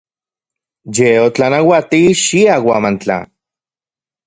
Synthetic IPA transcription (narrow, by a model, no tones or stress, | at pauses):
jeot͡ɬanawat̪iʃiawamant͡ɬa̰